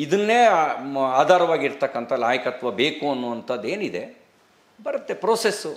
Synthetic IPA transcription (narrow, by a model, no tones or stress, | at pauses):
id̪ɐnːeːaːd̪ʱaːɾɐʋaːɡiɾt̪ɐkːɐnt̪ʰɐnaːjɐkɐt̪ʋɐbeːkuɐnːuɐnt̪ʰɐd̪e̞ːnid̪e̞ | bɐɾɐt̪ːe̞pɾoːsesːu